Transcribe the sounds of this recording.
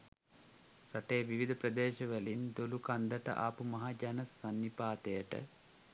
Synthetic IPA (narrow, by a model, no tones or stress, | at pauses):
ɾɐʈeːʋiʋid̪ʱɐprɐd̪eːʃɐʋəlind̪olukɐnd̪əʈə̰ʔaːpumɐɦad͡ʒanɐsɐnːipaːt̪ejəʈə̰